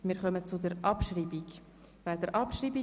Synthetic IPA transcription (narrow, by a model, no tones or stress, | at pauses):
mɪːɾχœmət͡sʊdəɾʔɑpʃriːbiɡ | vaːdəɾʔɑpʃriːbi